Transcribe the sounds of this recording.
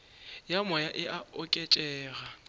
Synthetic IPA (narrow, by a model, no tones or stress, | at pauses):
jamɔjaʔɪʔaʊkʼɛt͡ʃʼɛːɣa